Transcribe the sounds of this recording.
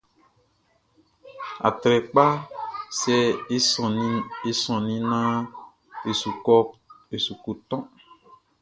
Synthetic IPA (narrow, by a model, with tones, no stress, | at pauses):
a̰˨t̪ɾɛ˨k͡pa˦sɛ˨˦˨ | e˦sɔ̃˨nĩ˦nã˦ | e˨su˨kɔ˦ | e˨su˨ko˨t̪ɔ̃˦